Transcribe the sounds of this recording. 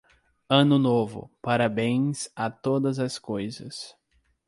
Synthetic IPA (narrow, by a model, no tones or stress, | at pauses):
ɐ̃nʊnovʊ̰paɾabẽj̃sat̪od̪ɐzɐskojzɐ̰s